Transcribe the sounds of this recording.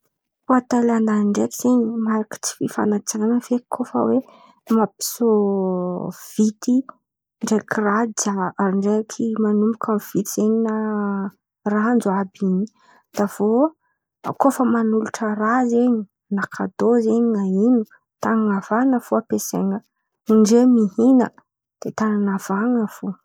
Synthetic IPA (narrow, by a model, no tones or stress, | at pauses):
fuat̪elanaɳɖ͡ʐekiz̥eɲimaɾaki̥t͡si̥fifa̰nat͡siŋanəfekʰofə̰we | mapi̥so | v̥it̪i | ɳɖ͡ʐekirad͡ʒaaɾiɳɖ͡ʐeakʰimanumbukʲʰamv̥it̪iz̥eɲina | raand͡zoabiɲi | d̪̥av̥o | kofəmanuluʈ͡ʂərazeɲi | nakʰad̪ozeɲiŋainu | t̪aŋaŋavanəfuapesḛŋə | iɳɖ͡ʐemihinə̰ | d̪̥et̪ananav̥aŋəfu